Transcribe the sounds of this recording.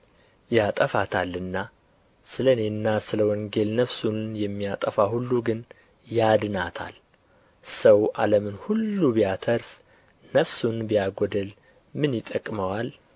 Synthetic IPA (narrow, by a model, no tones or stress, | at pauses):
jat̪ʼəfat̪ʰalːɨnːa | sɨlənenːasɨləwɔŋɡe̞lnəfsunjɛmːijat̪ʼəfahulːuɡɨn | jad̪ɨnat̪ʰa̰l | səwʔaləmɨnhulːubijat̪ʰəɾf | nəfsunbijaɡɔd̪əl | mɨnjɪt̪ʼːəkʼməwal